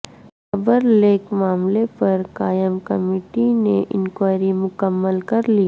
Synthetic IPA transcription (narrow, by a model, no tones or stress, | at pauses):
xɐbəɾleːkmaːmlepɐɾkaːjəmkɐ̰meːʈineʔɪ̰̃nkwaːɾimʊkəmːəlkɐɾliː